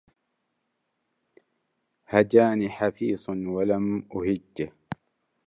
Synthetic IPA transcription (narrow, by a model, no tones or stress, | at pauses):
had͡ʒaːniːħafiːsˤnwalamʔʊhɪd͡ʒː